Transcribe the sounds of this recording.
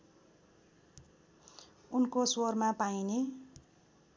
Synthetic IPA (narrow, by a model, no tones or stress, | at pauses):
unkoswormapajne